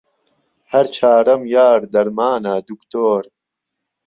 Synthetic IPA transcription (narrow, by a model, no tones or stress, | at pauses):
hɐɾt͡ʃʰaːɾɐmjaːɾd̪ɐɾmaːnaːd̪ukt̪oːɾ